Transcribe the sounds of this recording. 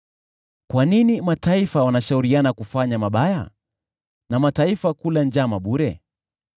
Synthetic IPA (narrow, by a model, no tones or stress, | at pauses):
kwaninimataifawanaʃauɾianakufaɲamaɓaja̰ | namataifakuland͡ʒamaɓuɾɛ